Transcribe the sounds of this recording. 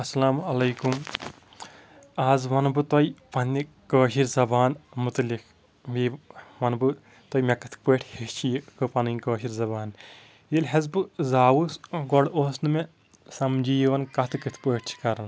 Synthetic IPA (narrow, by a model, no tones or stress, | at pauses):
ɐsɐlaːmɐlɐːkum | aːzʋɐnbɨt̪oipɐnːi | kəːʃiɾzɐbaːnmut̪likʰ | ʋiːʋɐnbɨ | t̪ojmekɐt̪ʰpeːʈʰhet͡ʃʰijkɨpɐninkəːʃiɾzɐbaːn | jilɦɐzbɨzaːwusɡɔɽoːsnɨmẽ | sɐmd͡ʒijʋɐnkɐt̪ʰɨkɨt̪ʰpoːʈʰt͡ʃʰi̥kɐɾɐn